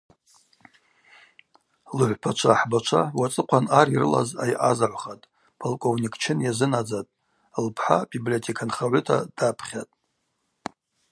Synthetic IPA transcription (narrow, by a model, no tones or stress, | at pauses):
lɨħʷpʰat͡ʃʷʰaħbat͡ʃʷʰawat͡sʼɨqʷʰanaɾirɨ̰la̰za̰jʔazaʕʷχatʼ | pʰolkʷʼownʲikʰʼt͡ʃʰɪnjazɨnad͡zatʼ | lpʰħa̰biblio̞tʰekʰanχaʕʷʊtʰa̰d̥apʰχʲatʼ